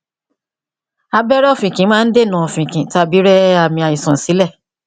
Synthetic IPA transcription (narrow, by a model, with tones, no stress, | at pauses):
a˧bɛ˦ɾɛ˦ɔ˦˨fĩ˨kĩ˨˦mãː˦n̩˦de˦˨nã˨ɔ˨fĩ˨kĩ˨˦ta˦˧bi˨˦ɾɛ˦a˨mĩ˧a˨i˨sɔ̃˨si˨˦lɛ˦˨